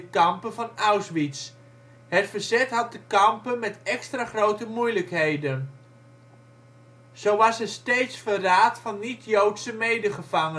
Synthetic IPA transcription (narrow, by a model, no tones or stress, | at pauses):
əkɑmpəvɑnawsʋits | ɦətfəɹzɛtɦɑt̚dəkɑmpənmɛtɛkstraːχrowtəmujləkɦejdən | z̥owʋɑsɛstejtsfəraːtfɑnːitjowtsəmejdəχəv̥ɑŋə